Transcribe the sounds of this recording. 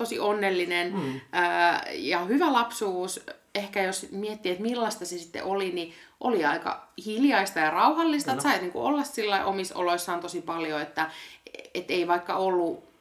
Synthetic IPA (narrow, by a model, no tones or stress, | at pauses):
t̪osḭʔonːelːinenəːjɑhyʋælɑpsuːsehkæjosmiet̪ːiet̪milːɑst̪ɑsesi̥t̪ːḛʔoliniʔoliɑikɑ̰hiljɑist̪ɑjɑrɑuhɑlːist̪ɑt̪sɑiniːŋkṵʔolːɑssilːɑiʔomiso̰loisːɑːnt̪osipɑljoet̪ːæet̪ːeiʋɑikːɑ̰olːu